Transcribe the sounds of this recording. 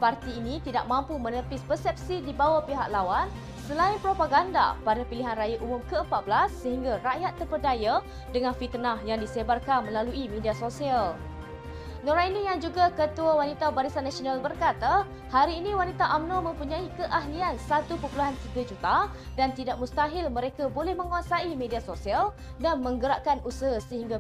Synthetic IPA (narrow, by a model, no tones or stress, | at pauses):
part̪iːnĩt̪idaʔ̚mãmpumə̃nəpɪspərsɛp̚sidibawapiɦaʔlawan | səlainpɾopaɡanda̰padapiliɦanrajaʔumʊmkəəmpat̪̚blasːəɦiŋɡaraʔjat̪ːərbərdaja | dəŋãnfit̪ənahjaŋdisebarkanmə̃laluimĩdiasosial | noɾainijaŋd͡ʒuɡakət̪uawanit̪abaɾisanːãsonalbərkat̪a | haɾiːnĩwanit̪aʔamnomə̃mpuɲãikəʔaɦliansat̪upəpuluɦant̪iɡad͡ʒut̪a | dant̪idaʔ̚mũst̪aɦɪlmə̃ɾekabolɛhmə̃ŋuasaimẽdiasosial | danmə̃ŋɡəɾaʔkanʔusəɦasəɦiŋɡa